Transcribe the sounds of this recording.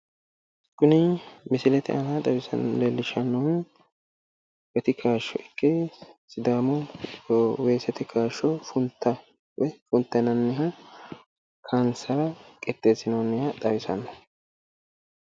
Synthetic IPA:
kʊnɪmɪsɪlɛt̪ɪʔɐnad̪ɐwɪsɐ̰nlɛlːɪʃɐnːɔn | wɛt̪ɪkʰaːʃːɔʔɪkːɛsɪd̪aːmɔ | weːsɛt̪ɪkʰaːʃɔfʊnt̪ːɐ | wfʊnt̪ːɛnɐnːɪɦɐ | kʰansɐɾɐkʼɛt̪ːeːsɪnɔnːɪhɐd̪ɐwɪsɐ̰nːɔ

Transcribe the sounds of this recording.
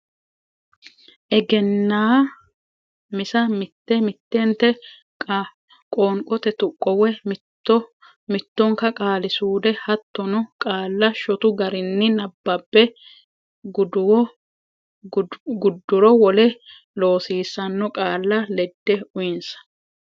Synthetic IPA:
ʔɛɡɛnːaː | mɪsɐmɪt̪ːɛmɪt̪ːɛnt̪ɛ | kʼoːŋkʼɔt̪ɛt̪ʊkʼːɔwɛmː | mɪt̪ːɔŋkɐkʼaːlɪsuːd̪ɛhɐt̪ːɔnʊkʼaːlːɐʃɔt̪ʊɡɐɾɪnːɪnɐbːɐbːɛ | ɡd | ɡʊd̪ːʊɾɔwɔlɛ | lo̞ːsiːsːɐnːɔkʼaːlːɐlɛd̪ːɛʊjɪnsɐ̥

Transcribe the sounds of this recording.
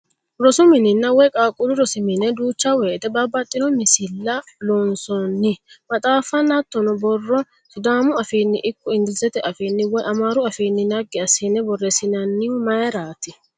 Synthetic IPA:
ɾɔsʊmɪnɪnːɐwɛkʼaːkʼːʊɾʊɾɔsɪmɪnɛd̪uːt͡ʃːɐwɛːt̪ɛbɐbːɐt̪ʼːɪnɔmɪsɪlːɐloːnsɔnːɪmɐt̪ʼaːfːɐnɐt̪ːɔnɔbɔrːɔ | sʊd̪aːmʊɐfiːnːɪ̰ʔɪkːɔɪnd̪ɪzɛt̪ɛʔɐfiːnːɪwɔjʔɐmaːɾʊɐfiːnːɪnɐɡːɪɐsɪnːɛbɔrːɛsɪnɐnːɪʊmɐjɛɾaːt̪ɪ

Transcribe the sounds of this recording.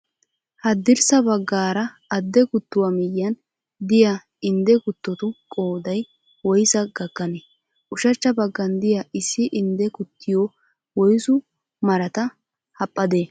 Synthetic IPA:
hɐd̪ːɪɾsɐbɐɡːaːɾɐ | ɐd̪ːɛkʊt̪ːʊwamɪjːɐn | d̪ɪja | ɪnd̪ɛkʊt̪ːɔt̪ʊkʼoːd̪ɐj | wɔjsɐɡɐɡːɐnɛ | ʔʊʃɐt͡ʃːɐbɐɡːɐnd̪ɪjɐʔɪsːɪʔɪnd̪ɛkʊt̪ːɪjo | wɔjsʊ | mɐɾɐt̪ɐ | hɐpʼːɐd̪eː

